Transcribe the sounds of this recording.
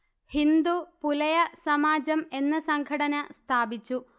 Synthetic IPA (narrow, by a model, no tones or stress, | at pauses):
hind̪upulɐjɐsɐmaːd͡ʑɐme̞nːɐsɐŋɡʰʱɐɽɐnɐst̪ʰaːbit͡ɕːu